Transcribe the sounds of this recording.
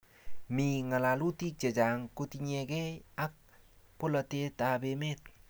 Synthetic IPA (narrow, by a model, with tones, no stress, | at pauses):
mi˨ŋa˨la˨lu˦ti˦k̚t͡ʃe˨t͡ʃaŋkutiɲɛ˨kɛ˦jak̚ | pola˨te˦tabemet̚